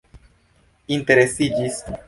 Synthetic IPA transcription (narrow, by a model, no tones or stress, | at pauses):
int̪e̞ɾesid͡ʒis